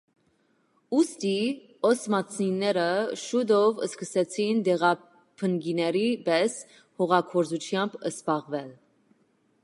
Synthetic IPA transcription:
ust̪i | ɔsmɑt͡sʰninːɛɾəʃud̪ɔvəskəsɛt͡sʰind̪ɛʁɑ | pʰəŋɡinɛɾibɛs | hɔʁɑkʰɔɾzut͡ʃʰjɑmbəsbɑʁvɛl

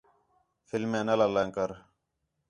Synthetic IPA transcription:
fɪlmẽːnəlaːlaːŋkəɾ

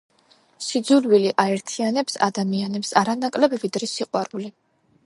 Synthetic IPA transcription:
sid̪zulwiliʔaɛɾt̪ʰianɛpsa̰d̪amianɛpsaɾanakʼlɛbɛbid̪ɾɛsiqʼwaɾuli

